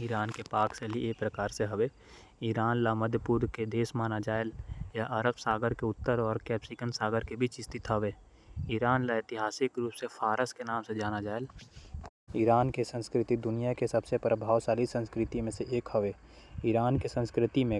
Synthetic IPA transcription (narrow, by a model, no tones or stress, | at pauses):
iɾaːnkepaːkselieːpɾəkaːɾseɦɐʋe | ɪɾaːnlaməd̪ʱjəpuːɾked̪eːsmaːnad͡ʒaːɪljaʔɐɾəbsaːɡəɾkeʊt̪ːəɾɔːɾkɛːpsikənsaːɡəɾkebʱit͡ʃɪst̪ɪt̪ʰəʋeː | ɪɾaːnlaɪt̪ɪɦaːsɪkɾuːpsefʰaːɾəskenaːmsed͡ʒaːnad͡ʒaːɪl | ɪɾaːnkesə̃nskɾɪt̪id̪ʊnijakesɐbsepɾəbʱaːʋsaːlisə̃nskɾɪt̪imẽseʔeːkhəʋe | iɾaːnkesə̃nskɾɪt̪imẽ